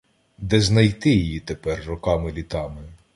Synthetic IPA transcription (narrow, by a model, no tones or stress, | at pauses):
d̪ɛznɐjt̪ɪjijit̪epɛrːɔkɑmɪlʲit̪ɑmɪ